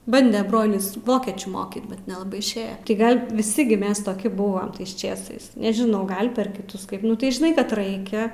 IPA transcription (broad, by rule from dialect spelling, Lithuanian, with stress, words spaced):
ˈbɐnʲdʲɛ ˈbroːlʲɪs ˈʋoːkʲiɛt͡ʃʲuː ˈmoːkʲiːt bʲɛt nʲɛlˠɐˈbɐɪ ɪʃʲˈeːjɛ tʲɪ ˈɡɐlʲ ʋʲɪˈsʲɪ ɡʲɪ ˈmʲɛs toːˈkʲɪ ˈbʊʋɐm ˈtɐɪs ˈt͡ʃʲeːsɐɪs nʲɛʒʲɪˈnɐʊ ˈɡɐlʲ pʲɛr kʲɪˈtʊs ˈkɐɪp ˈnʊ tɐɪ ʒʲɪˈnɐɪ kɐt ˈrɐɪkʲɛ